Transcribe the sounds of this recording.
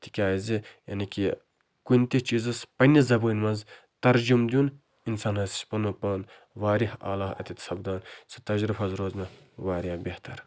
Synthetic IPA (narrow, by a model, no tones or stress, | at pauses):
t̪i̥kʲaːizijɐ̰nikʲi | kunʲt̪it͡ʃizɐspɐnʲizɐbuːnʲmɐnz | t̪ɐɾd͡ʒumd̪ʲjun | insaːnhɐzi̥sʲpɐnupɐːn | ʋaːɾiha̰ːlaːɦɐ̰t̪it̪sɐbd̪aːnsi̥t̪ɐd͡ʒɾifɐzɾoːzmɐ | ʋaːɾabʲeht̪ɐɾ